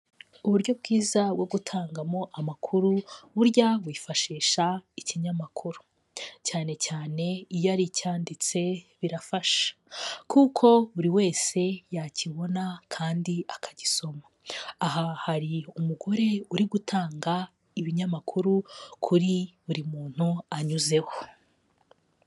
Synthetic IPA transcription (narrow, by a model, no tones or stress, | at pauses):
uβuɾɟo̞bɡiːzawoɡutʰaːŋɡamo̞ʔamakʰuɾuβuɾɟaβwiːfaʃiːʃaiciɲamakʰuɾu̥ | caːne̞caːne̞ijaɾicaːndit͡se̞βiɾafaʃḁkukʰo̞βuɾiwe̞ːse̞jaciβo̞nakʰaːndiakʰaɟiso̞mḁaɦahaɾiumuɡo̞ɾe̞uɾiɡutʰaːŋɡa | iβiɲamakʰuɾukʰuɾiβuɾimuːn̥huaɲuze̞ho